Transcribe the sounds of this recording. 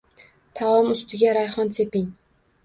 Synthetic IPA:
t̪ʰaɒmʊst̪ɪɡʲaɾajχɒnsʰepɪŋ

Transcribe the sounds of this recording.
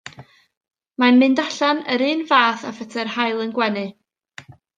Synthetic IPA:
manmɨndaɬanəɾɨːnvaːθafɛtʰɛrhajlˠənɡwɛnɨ

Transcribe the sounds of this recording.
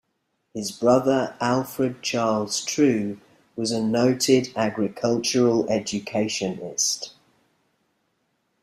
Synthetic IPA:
hɪzbɹʌðəɹalˠfɹəd̚t͡ʃʰɑːlˠz̥tʰɹ̥ʉː | wɒzənəʊtʰɪdaɡɹɪkʰʌlˠt͡ʃəɹəlɛd͡ʒəkʰeɪʃə̃nɪ̰st

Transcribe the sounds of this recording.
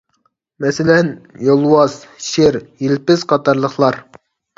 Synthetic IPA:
mɛsɪlɛnjolˠwɑzʃɪɾjilpɪzqʰɑt̪ɑɾlˠəχlˠɑɾ

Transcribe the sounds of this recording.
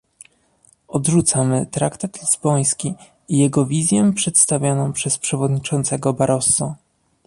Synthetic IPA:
ɔd̪ʐut̪samɘt̪ɾakt̪at̪lʲizbɔj̃skʲi | ijɛɡɔvʲizʲjɛpʂɛt̪st̪avʲjɔnɔ̃w̃pʂɛspʂɛvɔd̪ɲit͡ʂɔnt̪sɛɡɔbaɾʔɔsɔ

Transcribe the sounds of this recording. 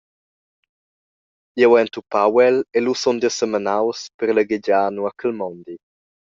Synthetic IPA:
jɛwɛnt̪upawɛlelusɔnd̪əsəmanawspəɾləɡed͡ʒaːnuakəlmɔnd̪i

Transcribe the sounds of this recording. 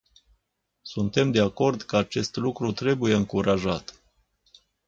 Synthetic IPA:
sunt̪e̞md̪e̞ako̞rd̪kəat͡ʃe̞st̪lukɾut̪ɾe̞buje̞ɨŋkuɾaʒat̪

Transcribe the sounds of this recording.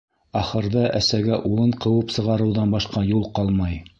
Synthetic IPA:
ɑχɤ̆ɾðɤʔæsæɡæʔulˠɤɴqɤ̆wɤpsɤ̆ʁɑɾɤ̆wðɑnbɑʃqɑjulˠqɑlˠmɑj

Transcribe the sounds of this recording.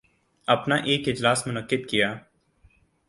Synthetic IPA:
ɐpnaːʔeːkɪd͡ʒlaːsmʊnəqːɪd̪kɪjaː

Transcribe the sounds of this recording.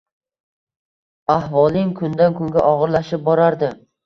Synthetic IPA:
ahvɒlˠɪŋkʰʊnd̪ankʊŋɡʲaʔɒʁɨɾlaʃɪp̚bɒɾaɾd̪ɪ

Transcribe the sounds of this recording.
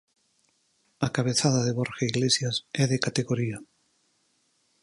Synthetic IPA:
akaβ̞eθað̞aðeβoɾxaiɣlesjasɛðekat̪eɣoɾia

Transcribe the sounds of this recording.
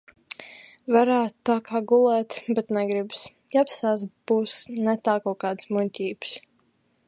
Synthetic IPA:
vaɾæːt̪t̪ːaːkaːɡulˠɛːt̪bɛt̪nɛɡɾibs | japsaːsb̥uːsnɛt̪aːkɔːkaːd̪smunʲcʲiːbs

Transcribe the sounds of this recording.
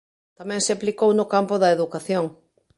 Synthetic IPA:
t̪amɛ̃ŋseaplikownʊkampʊðɐeðukaθjoŋ

